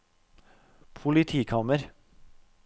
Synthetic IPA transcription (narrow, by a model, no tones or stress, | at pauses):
pʰʊlɪt̪ʰiːkʰɑːməɾ